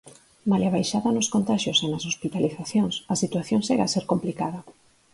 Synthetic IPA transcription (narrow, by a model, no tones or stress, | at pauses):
malaβ̞ajʃaðɐnʊskont̪aʃjosenɐsospit̪aliθaθjoŋsɐsit̪waθjoŋsʃeɣaseɾkomplikaðɐ